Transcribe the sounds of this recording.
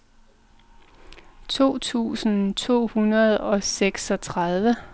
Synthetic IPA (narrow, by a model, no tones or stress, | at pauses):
t͡sʰo̝̰ːt͡sʰṵːsn̩t͡sʰo̝̰ːhunɐð̞ˠɒ̽seɡ̥sɒ̽t͡sʰʁað̞ˠʋə